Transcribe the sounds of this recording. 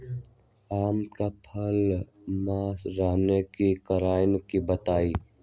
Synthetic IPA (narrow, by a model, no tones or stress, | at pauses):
aːmkapʰəl | maːsɾaːnekikəɾaːjnkibət̪aːiː